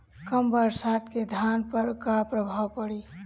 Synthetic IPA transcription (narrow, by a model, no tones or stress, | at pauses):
kəmbəɾsaːt̪ked̪ʱaːnpəɾkapɾəbʱaːwpəɽiː